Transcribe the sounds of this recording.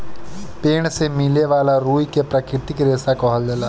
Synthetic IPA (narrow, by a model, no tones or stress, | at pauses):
peːɽ̃semɪleʋaːlaɾuːikepɾɐkɾɪt̪ɪkɾeːsakɔɦəld͡ʒ̪ɐlaː